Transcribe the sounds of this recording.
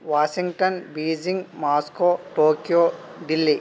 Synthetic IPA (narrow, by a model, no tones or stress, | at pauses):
ʋaːʃiŋɡʈɐnbiːd͡ʒiŋɡmaːskoːʈoːkijoː | ɖilːi